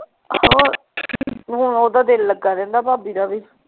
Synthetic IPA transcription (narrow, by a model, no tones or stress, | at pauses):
hoː | ɦʊɳoːd̪aːd̪elːəɡːaːɾɛ̃ːnd̪aːpaːbiːd̪aːbiː